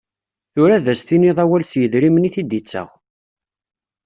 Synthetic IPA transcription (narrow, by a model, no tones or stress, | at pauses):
θʊɾæðæsθiniðˤæwælsjəðɾimniθid̪it͡sːə̰ʁ